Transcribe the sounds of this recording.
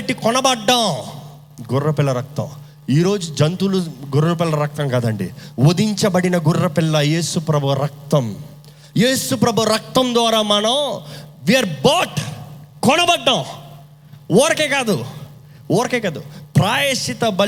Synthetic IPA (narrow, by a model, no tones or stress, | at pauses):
ʈːikɔnɐbɐɖːaw | ɡurːɐpɪlːɐɾɐk̚t̪ɐ̰̃w | iːɾo̞ːd͡ʒud͡ʒɐnt̪uluɡuɾɐpɪlːɐɾɐk̚t̪ɐmkaːd̪ɐɳɖḭwod̪iɲt͡ʃɐbɐɽinɐɡurːɐpɪlːɐje̞ːsupɾɐbʱuɾɐk̚t̪ɐm | jeːsupɾɐbʱuɾɐk̚t̪ɐmd̪ʋaːɾaːmɐnɐmʋijɐɾbaːʈkɔnɐbɐɖːɐ̃w | oːɾɐkeːkaːd̪u | wɔːɾɐkeːkaːd̪upɾaːjeːʂit̪ɐbɐ